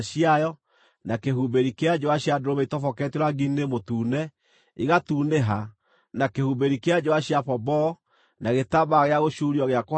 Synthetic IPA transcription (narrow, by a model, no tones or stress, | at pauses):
ɕiajɔ | nakehubeɾikead͡ʒoaɕjadoɾomɛitɔfɔkɛteɾaɡinemotuːnɛ | iɣatuːneɦa | nakehubeɾikead͡ʒoaɕjafɔbɔ | naɣetaβaɣeaɣoʃuɾiɔɣeako